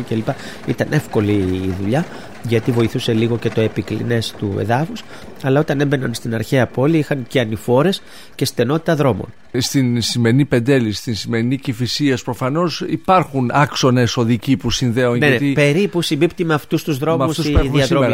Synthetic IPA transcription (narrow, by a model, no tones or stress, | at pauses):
icelipɐ | it̪ɐne̞fko̞liːðuʎɐ | ʝɐt̪ivo̞iθuse̞liɣo̞ce̞t̪o̞e̞piklḭne̞st̪ue̞̰ðɐfus | ɐlɐo̞t̪ɐne̞be̞nɐnst̪inɐɾçeɐpo̞liixɐŋceɐnifo̞ɾe̞s | ce̞st̪e̞no̞t̪i̥t̪ɐðɾo̞mo̞̰n | st̪insime̞ɾinipe̞nd̪e̞list̪insime̞ɾinicifisiespɾo̞fɐno̞sipɐɾxunɐkso̞neso̞ðicipusinðe̞unneɐet̪ipe̞ɾipusimbipt̪imɐːft̪ust̪uzðɾo̞mɐmust̪usieðiɐɾome